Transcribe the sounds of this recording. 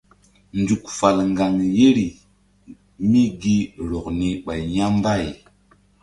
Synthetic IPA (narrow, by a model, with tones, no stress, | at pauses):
nd͡ʒu˨kfa˨lŋɡa˨ŋje˦ɾi˨ | mi˦ɡi˦ɾo˨kni˦ɓa˨jɲa˦mba˦˨j